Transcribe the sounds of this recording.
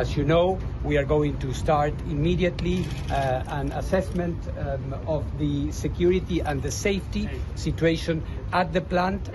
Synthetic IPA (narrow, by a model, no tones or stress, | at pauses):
azjunoʊ | wiaɾɡoʊĩŋtustaɹt̪imiɾiat̪li | ãnasɛsmɛ̃nt̪ | ɔvðɨsekjuɾit̪iʔãnðəsejftisitueʃɔ̃nat̪̚ðəplãnt